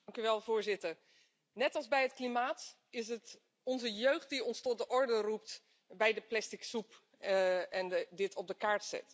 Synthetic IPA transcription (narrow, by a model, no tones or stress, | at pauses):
ŋkyʋɛlˠvʊːɹzɪtəɹ | nɛtɑlˠzbɛjɦətklimaːt | ɪs̬ət | ɔnzəjøːχt̚diɔnstɔt̚dəʔɔɹdərup̚t | bɛjdəplɛstɪksup | ɛndɪtʰɔb̚dəkaːɹtsɛ̰t